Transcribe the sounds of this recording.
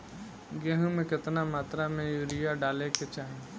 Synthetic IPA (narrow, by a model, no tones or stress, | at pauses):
ɡɛːɦũmẽkɪt̪namaːt̪ɾamẽjuːɾijaɖaːleket͡ʃaːɦẽ